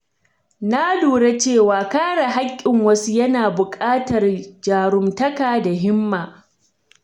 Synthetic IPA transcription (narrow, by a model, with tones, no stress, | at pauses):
na˦duː˨ɽe˦t͡ʃeː˦˨waː˨kaː˦ɽa˨ɦa˦kʲʼːɪ˨ŋwɐ˦su˦jɐ˦naː˨bʊ˨kʼaː˦tɐ˨rd͡ʒaː˨ɾʊ˨mtɐ˦kaː˨da˨ɦɪ˦mːaː˨